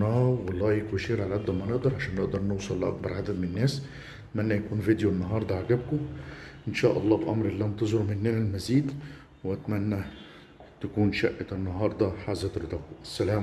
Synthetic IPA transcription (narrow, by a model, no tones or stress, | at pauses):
ɑhɑwɑlˤːɑːjekbæʃiːɾʕalæʕad̪ːæmæneʔd̪ɑɾˤʕaʃæːnːeʔd̪ɑɾˤnewsˤɑlːʔɑ̰k̚bɑɾˤʕad̪æd̪menenːæːs | æt̪mænːæjækuːnvid̪joenːɑɦɑːɾˤd̪ˤɑʕaɡæb̚koʔenʃæːʔɑlˤːɑːbʔɑ̰mɾʔelːæːmt̪ezoɾmenːeːnælmæziːd̪ | weʔæt̪mænːæ | t̪ækuːnʃæʔːeenːɑɦɑːɾˤd̪ˤɑħaːzːæt̪ɾet̪ˤɑːkʔæsːælæːm